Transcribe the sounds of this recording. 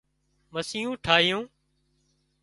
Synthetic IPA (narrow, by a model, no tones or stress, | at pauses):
məsijũːʈʰaːɦɪjũː